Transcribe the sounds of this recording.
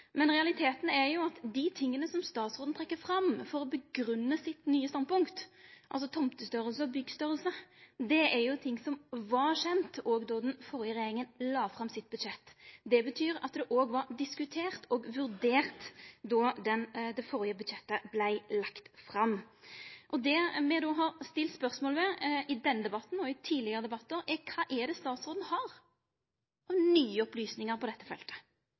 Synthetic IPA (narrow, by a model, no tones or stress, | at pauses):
mɛnʁɛɑlɪt̪ʰeːt̪n̩ɛɾjʊɑt̪d̪ɪt̪ʰɪŋːənəsɔmst̪ɑːt̪sʁoːd̪n̩t̪ʁɛkːəfɾɑmfɔɾɔbəɡɾʉnːəsɪt̪nyːəst̪ɑnpʊŋkt̪ʔɑ̰lsɔt̪ʰɔmt̪əst̪œɾəlsəɔbʏɡːst̪œʁəlsəd̪ɛæɾjʊt̪ʰɪŋːsɔmʋɑɾʂɛnt̪oːɡd̪ɔd̪ɛnfɔɾɪəɾɛjeːɾɪŋənlɑːfʁɑmsɪt̪̚bʉd̪ʃɛt̪ːd̪ɛbət̪ʰyːɾɑ̰t̪̚d̪ɛʔoːɡʋɑɾd̪ɪskʉt̪ʰeːʁt̪ʰoːɡʋʉɾd̪eːʁt̪d̪ɔd̪ɛnd̪ɛfɔʁɪəbʉd̪ʃɛt̪ːəblæɪlɑkt̪fɾɑmː | ʔɔd̪ɛmɛd̪oːɦɑʁst̪ɪlt̪spœʁsmoːləmɛɪd̪ɛnːəd̪ɛbɑt̪ːn̩ɔɪt̪ʰiːlɪɡəʁəd̪ɛbɑt̪ːəɾɛkʰɑːʔɛd̪ɛst̪ɑːt̪sʁoːd̪n̩hɑːɾ | ɑʋnyːəɔplyːsnɪŋəʁpʰɔd̪ɛt̪ːəfɛlt̪ə̥